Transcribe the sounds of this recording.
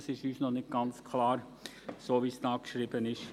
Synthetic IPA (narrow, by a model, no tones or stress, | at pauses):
sɪʃyːʃnɔχnɪçt̚ɡ̥ɑnt͡skʰlɑːɾ | soːʋiːsd̥̪ɑːkʃɾiːbənɪʃ